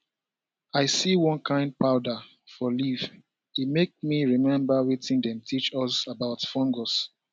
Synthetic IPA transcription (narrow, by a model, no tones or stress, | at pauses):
aɪsiwɔ̃nkʰãɪ̃nd̚paʊda | fɔliv | imek̚miɹimɛ̃mbawitʰĩndɛ̃mtʰit͡ʃɔsabaʊtfɔ̃ŋɡɔs